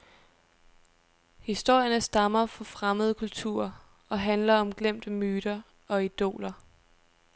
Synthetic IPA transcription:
hisd̥o̝ɐ̰jɐnəsd̥ɑ̈mɐfɒ̽fʁaməð̞̩ˠkʰult͡sʰṵɐ̰ | ɒ̽ɦænlɐɒ̽mɡ̥lem̰d̥əmyːɾ̥ɐ | ɒ̽id̥o̝̰ːlɐ

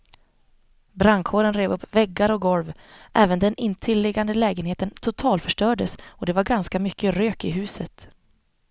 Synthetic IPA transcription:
bɾaŋkʰhoːɾənɾeːvɵpːvɛɡːaɾɔɡɔlvʔɛːvənd̪ɛnʔɪnːt̪ʰɪlːɪɡand̪əlɛːɡənheːt̪ənt̪ʰʊt̪ʰɑːlt̪fœʂʈœːɖəsɔd̪ɛvaɾɡanskamʏkʰːəɾøːkɪɦʉ̟ːsət̪

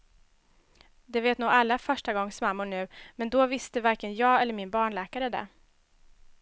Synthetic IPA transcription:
d̪ɛveːt̪nuːɡalːafœʂʈaɡɔŋːsmamːʊɳʉ̟ːmɛnd̪ɔvɪst̪əvaɾkənjɑːɛlːəɾmɪnbɑːɳɭɛːkaɾəd̪ɛ̰

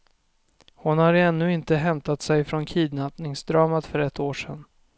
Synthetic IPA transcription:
hʊnhaɾɛnːɵɪnt̪əɦɛmt̪at̪sɛjfɾɔnkʰiːd̪napnɪŋsd̪ɾɑːmat̪fœɾɛt̪ʰːoːʂɛ̰n

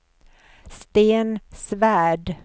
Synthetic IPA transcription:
st̪eːnsvæːɖ

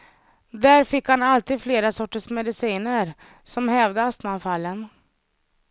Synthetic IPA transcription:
d̪æːɾfɪkhanalt̪iːd̪fleːɾasɔʈːəʂmɛd̪ɪsiːnəɾ | sɔmhɛvd̪əast̪manfalːən

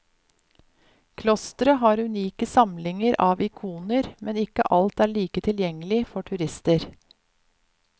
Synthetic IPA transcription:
kʰlɔst̪ɾəɦɑːɾʉniːkəsɑmlɪŋəɾʔɑːʋɪkʰuːnəɾmɛnɪkə̰ʔɑlt̪æːɭiːkət̪ʰɪljɛŋəlɪfɔʈʰʉɾɪst̪əɾ

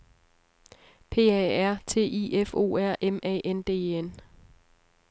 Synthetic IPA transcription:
pʰe̝̰ːɛæɐ̰t͡sʰe̝̰ːʔiefo̝̰ːæɐ̰ʔemɛ̰ːʔend̥e̝̰ːen

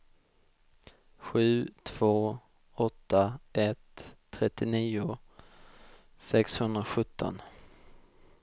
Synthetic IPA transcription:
ɧʉ̟ːt̪ʰv̥oː | ɔt̪ʰːaʔɛt̪ʰː | ɾɛt̪ːɪniːʊ | sɛkshɵnd̪ɾaɧɵt̪ʰːɔ̰n

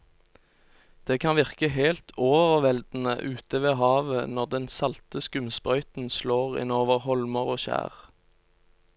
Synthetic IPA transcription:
d̪̥eːkʰɑnʋɪʁkəɦeːlt̪ʰoːʋəʁʋɛld̪n̩ə̰ʔʉːt̪əʋeːɦɑːʋənɔʁd̪ɛnsɑlt̪əskʉmspʁœʏt̪n̩sloːʁɪ̰noːʋəʁhɔlməʁoːʃæ̰ːʁ

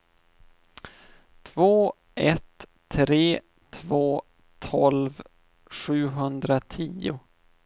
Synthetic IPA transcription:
t̪ʰvoː | ʔɛt̪ʰː | ɾeː | t̪ʰvoː | t̪ʰɔlv | ɧʉ̟ːɦɵnd̪ɾat̪ʰiːʊ

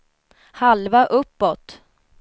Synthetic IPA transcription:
halvaʔɵpːɔt̪

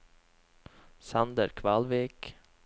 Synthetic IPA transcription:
sand̪əɾkʰvɑlʋiːk

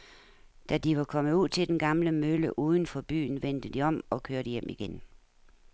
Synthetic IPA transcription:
d̥æd̥iʋɑ̈kʰɒ̽məuð̞̰ˠt͡sʰe̝ld̥enɡ̥ɑ̈mləmøləʔuːð̞ˠn̩fɒ̽b̥y̰ːn̩ʋen̰d̥əd̥iɒ̽mɒ̽kʰøɐɾ̥əjem̰ʔiɡ̥en

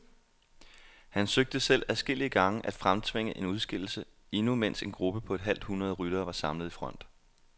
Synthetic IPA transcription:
hænsøɡ̥̚d̥əsel̰æðˠsɡ̥e̝l̰iəɡ̥ɑ̈ŋəʔæd̥fʁamt͡sʰʋeŋ̰əʔe̝nuð̞ˠsɡ̥e̝l̰l̩sə | e̝numen̰se̝nɡ̥ʁub̥əpʰɒ̽e̝d̥ɦæl̰d̥hunʁɐð̞ˠʁyɾ̥ɐːʋɑ̈sɑ̈mlð̩ˠifʁɒ̽n̰d̥

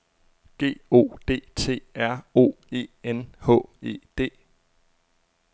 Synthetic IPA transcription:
ɡ̥e̝̰ːo̝̰ːd̥e̝̰ːt͡sʰe̝̰ːæɐ̰o̝̰ːe̝̰ːenhɔ̰̽ːe̝̰ːd̥e̝̰ː

